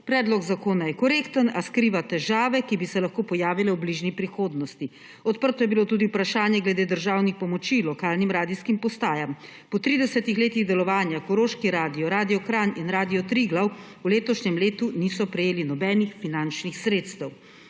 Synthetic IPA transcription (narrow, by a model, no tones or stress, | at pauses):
pɾɛːd̪lɔɡzakoːnajɛkɔɾeːkt̪ənaskɾiːʋat̪ɛʒaːʋɛkibisɛlaxkoːpɔjaːʋilɛwbliːʒnipɾixoːd̪nɔst̪i | ɔt̪̚pəɾt̪ɔjɛbilot̪uːd̪iupɾaʃaːnjɛɡlɛd̪eːd̪əɾʒaːwnixpɔmɔt͡ʃilɔkaːlnimɾaːd̪iskimpɔst̪aːjam | pɔt̪ɾiːd̪ɛsɛt̪ixleːt̪iɣd̪ɛlɔʋaːnjakɔɾoːʃkiɾaːd̪iɔɾaːd̪ijɔkɾaninɾaːd̪ijɔt̪ɾiɡlaw | uleːt̪ɔʃɲɛmleːt̪uniːsɔpɾɛjeːlinɔbɛːnixfinant͡ʃnixsɾeːt̪st̪ɛw